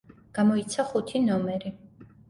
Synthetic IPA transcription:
ɡ̥amɔit̪sʰaχut̪ʰinɔmɛɾi

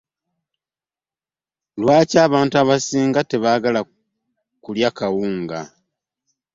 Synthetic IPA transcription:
lwaːcaːβaːntuaβasiːŋɡate̞βaːɡala | kuljakawuːŋɡa̰

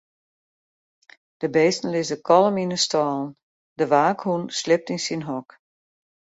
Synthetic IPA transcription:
d̥əbeːstn̩lɪsəkʰɔləminəstɔːlˠn | dəʋaːkhunslɪp̚tinsinɦɔk

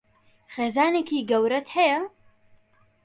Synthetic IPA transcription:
xeːzaːneːkiːɡɐwɾɐt̪hɛjɐ

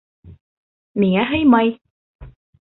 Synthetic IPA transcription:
miːŋaɦejmɐj

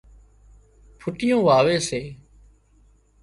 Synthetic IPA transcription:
pʰʊʈɪjõːʋaːʋeːseː

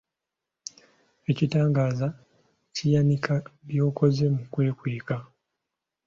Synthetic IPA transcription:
e̞citaːŋɡaːza | cijanikaβjo̞ːko̞ze̞mukwe̞ːkweːka

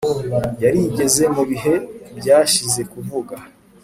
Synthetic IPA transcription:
jaɾiɟe̞ze̞muβiɦe̞bɟaːʃize̞kuvuɡa

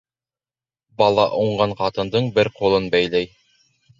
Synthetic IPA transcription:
bɑlˠɑʔuɴɢɑɴqɑt̪ɤ̆nd̪ɤɴbɘɾqulˠɤnbæjlæj

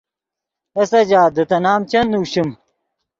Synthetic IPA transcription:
ɐsɐd͡ʑaːd̪ɐt̪ɐnaːmt͡ɕɐnuːɕum

